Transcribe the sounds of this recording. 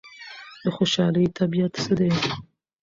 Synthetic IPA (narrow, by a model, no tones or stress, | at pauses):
d̪əxoʃɑːlijt̪ʰabijat̪sɨd̪e